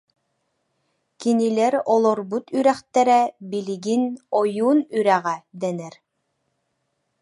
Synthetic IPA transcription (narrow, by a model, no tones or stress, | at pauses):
kinilɛɾɔlˠɔɾbut̪yɾɛχt̪ɛɾɛbiliɡinɔjuːnyɾæʁæd̪ɛnɛɾ